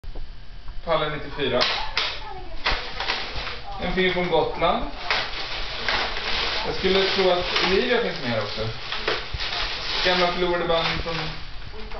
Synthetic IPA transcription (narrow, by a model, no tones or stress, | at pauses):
pʰalːənnɪt̪ːɪfyːɾa | ɛnfɪlfɾɔnɡɔt̪land̪ | jɑːɡskɵlːət̪ʰɾuːat̪ɪ̰liːɡaɾfɪnsmeːɾɔksɔ | ɡamlafəluːɾaɖəbanfɾɔn